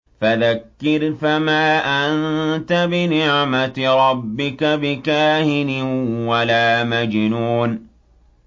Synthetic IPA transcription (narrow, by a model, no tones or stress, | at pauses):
faðakːɪɾfamaːʔannt̪abɪnɪʕmaɾˤɑbːɪkabɪkaːhɪnɪwalaːmad͡ʒnuːn